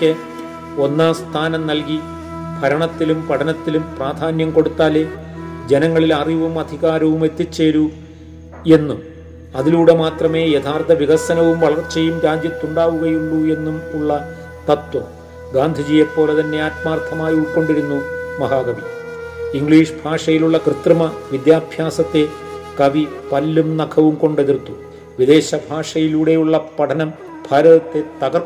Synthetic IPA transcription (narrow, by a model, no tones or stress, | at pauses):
kʲːɨ | o̞nːaːst̪ʰaːnɐmnɐlki | bʱɐɾɐɳɐt̪ːilumpɐʈʰɐnɐt̪ːilumpraːd̪ʱaːnjɐmko̞ɽut̪ːaːle | d͡ʑe̞nɐŋːɐɭilɐriʋumɐd̪ʱiɣaːɾɐʋume̞t̪ːit͡ɕːe̞ːɾu | e̞nːum | ɐðiluːɽe̞maːt̪rɐme̞ːjet̪ʰaːrt̪ːɐʋiɣɐsɐnɐʋumʋɐɭɐrt͡ɕejːumɾaːd͡ʑjɐt̪ːuɳɖaːʋuɣɐjuɭːue̞nːumuɭːɐ | t̪ɐt̪wɐm | ɡaːnd̪ʱid͡ʑijɐpːo̞ːlet̪ɐnːe̞aːt̪̚maːrt̪ʰɐmaːjuko̞ɳɖiɾunːumɐɦaːɡɐʋiiŋɡɭiːʂbʱaːʂɐjiluɭːɐkrɨt̪rɐmɐʋid̪jaːbʱjaːsɐt̪ːe̞ | kɐʋi | pɐlːumnɐkʰɐʋumko̞ɳɖe̞ðirt̪ːu | ʋid̪e̞ːɕɐbʱaːʂɐjiluːɽe̞juɭːɐpɐʈʰɐnɐm | bʱaːɾɐðɐt̪ːe̞t̪ɐɣɐr